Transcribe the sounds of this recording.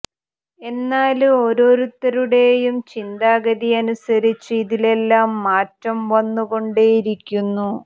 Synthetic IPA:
e̞nːaːluo̞ɾo̞ːɾut̪ːɐɾuɽe̞jumt͡ɕind̪aːɡɐðiɐnusɐɾit͡ɕːuiðile̞lːaːmːaːtrɐmʋɐnːuɣo̞ɳɖeːjiɾikʲːunːu

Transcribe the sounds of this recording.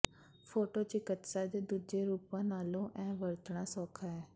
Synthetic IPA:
pʰoːʈoːt͡ʃɪkət̪saːd̪eːd̪uːd͡ʒeːɾuːpãːnaːlõːʔɛ̃ːʋəɾt̪ɳ̃aːsɔːkʰaːɛː

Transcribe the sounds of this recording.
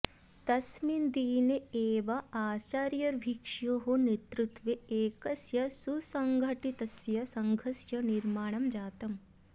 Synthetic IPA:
t̪ɐsmind̪iːneeːʋɐaːsaːɾjɐɾʋʱikʂjoːɦonet̪ɾut̪ʋeeːkɐsjɐsusɐŋɡʱɐʈit̪ɐsjɐsɐŋɡʱɐsjɐniɾmaːɳɐmd͡ʒaːt̪ɐm

